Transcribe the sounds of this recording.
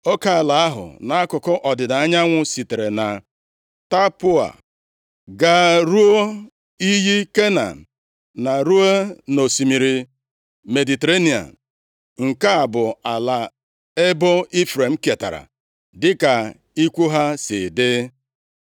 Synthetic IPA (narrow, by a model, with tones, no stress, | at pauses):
o˦ka˨la˨a˦ɦʊ̰˨na˨a˦kʊ˨kʊ˦ʔɔ˨dɪ˨da˨a˦ɲa˦ŋʷʊ˦si˨te˨ɾe˨na˨ | ta˦pʊ˦a̰˨ | ɡa˦ɾu˦o˦ | i˦ɦi˦ke˦na̰˨ | na˨ɾu˦e˦no˨si˨mi˨ɾi˨ | me˨di˨te˨ɾe˦ni˨a̰˨ | ŋ̩˨ka˦a˨bʊ˨a˨la˨ | e˦bo˦i˦fɾe˨m̩˦ke˨ta̰˨ɾa̰˨ | dɪ˦ka˨ | i˦kʷu˦ɦa˦sɪ̰˨dɪ˦